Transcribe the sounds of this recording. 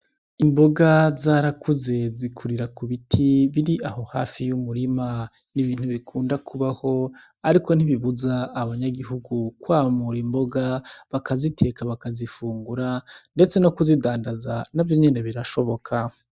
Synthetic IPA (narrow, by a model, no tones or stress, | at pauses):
imbo̞ɡazaːɾakʰuze̞zikʰuɾiɾakuβitʰiβiɾiʔaɦo̞ha̰ːfijumuɾima | niβiːn̥huβikʰuːndakʰuβaho̞ | aɾiko̞n̥iβiβuzaːβaɲaɡiɦuɡukwaːmuɾimbo̞ɡaβakazitʰe̞ːkaβakazifuːŋɡuɾande̞t͡se̞no̞kuzidaːndazanavjo̞ɲe̞ne̞βiɾaʃo̞βo̞kʰa